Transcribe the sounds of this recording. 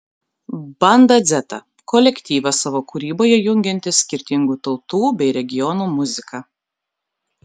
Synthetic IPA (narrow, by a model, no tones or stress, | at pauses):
bɐnd̪ɐd̪zʲɛt̪ɐ̰ | kɔlʲɛkʲt̪ʲiːʋɐsɑʋoːkʊɾʲiːboːjɛjʊŋʲɡʲɛnʲt̪ʲɪsʲkʲɪɾʲt̪ʲɪŋɡuːt̪ɒʊt̪uːbʲɛɪɾʲɛɡʲɪjɔnuːmʊzʲɪkɑ